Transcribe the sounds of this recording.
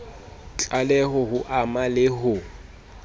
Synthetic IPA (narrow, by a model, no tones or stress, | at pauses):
t͡ɬʼalɛɦʊɦʊʔamalɪɦʊ